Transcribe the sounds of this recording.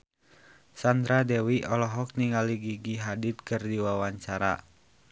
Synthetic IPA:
sand̪ɾadɛwiʔɔlɔɦɔk̚niŋaliɡiɡiɦadit̪̚kɨrdiwawaɲt͡ʃaɾa̰

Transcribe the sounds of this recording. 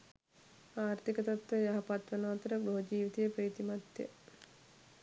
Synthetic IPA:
aːɾt̪ikət̪ɐt̪ʋɐjaɦɐpat̪ʋɐnaːt̪ɐɾəɡɾoːd͡ʒiːʋit̪ijəpɾeːt̪imat̪jə̰

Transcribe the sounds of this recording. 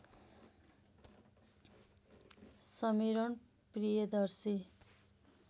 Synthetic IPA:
sʌmiɾʌɳ | prijʌd̪ʌrsi

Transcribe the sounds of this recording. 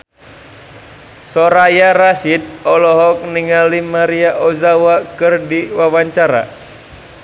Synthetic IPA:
sɔɾajaɾasit̪̚ɔlɔɦɔk̚niŋalimaɾiaʔɔzawakɨrdiwawaɲt͡ʃaɾa̰

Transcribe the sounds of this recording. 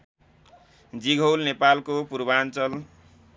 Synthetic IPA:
d͡ziɡʱowlnepalkopurbant͡sʌl

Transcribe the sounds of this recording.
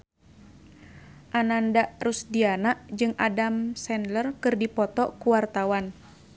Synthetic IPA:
ʔanandaʔrusdianaʔd͡ʒɨŋadamsɛnlərkɨrdipɔt̪ɔkuwart̪awan

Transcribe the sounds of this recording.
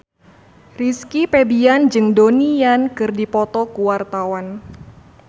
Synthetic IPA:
riskipebiand͡ʒɨŋdoniankɨrdipɔt̪ɔkuwart̪awan

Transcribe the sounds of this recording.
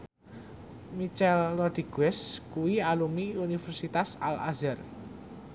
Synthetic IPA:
mit͡ʃɛlːɔd̪̥iɡ̥wɛskuwialumiunifɛrsit̪asa̰la̰zər

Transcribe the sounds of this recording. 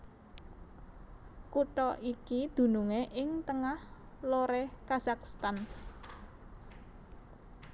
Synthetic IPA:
kuʈɔʔikid̪̥ṳnuŋeʔɪŋt̪əŋah | loɾekazakst̪an

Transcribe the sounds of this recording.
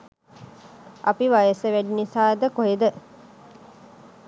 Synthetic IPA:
ʔɐpiʋajəsəʋæɖinisaːed̪əkoɦed̪ə

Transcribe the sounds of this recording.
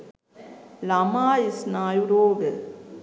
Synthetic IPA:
lamaːisnaːjuɾoːɡə

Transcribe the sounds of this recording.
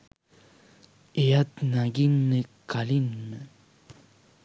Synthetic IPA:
ejat̪naɡinːekalinːə

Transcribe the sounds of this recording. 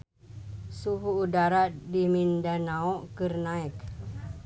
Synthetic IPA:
suɦuːdaɾadimindanaɔʔkərnaik

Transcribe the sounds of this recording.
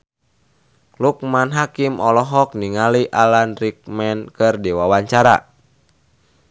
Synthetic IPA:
luk̚manɦakimɔlɔɦɔk̚niŋaliʔalanrik̚mɛnkɨrdiwawaɲt͡ʃaɾa̰

